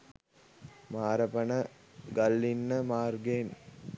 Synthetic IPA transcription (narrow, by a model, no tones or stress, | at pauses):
maːɾəpənə | ɡalːinːəmaːrɡeːn